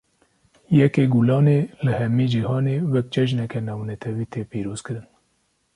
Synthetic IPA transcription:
jɛkeːɡulɑːneːlɨhɛmiːd͡ʒihɑːneːwɛk̚t͡ʃɛʒnɛkɛnɑːwnɛt̪ʰɛwiːt̪ʰeːpiːɾoːz̥kɨɾɨn

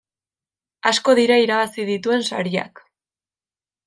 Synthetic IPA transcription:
asko̞ðiɾaiɾaβasiðit̪ue̞nsaɾia̰k

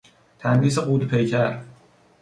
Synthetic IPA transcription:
t̪ʰænd̪iːs̬eɢuːd̪pʰejcʰæɾ

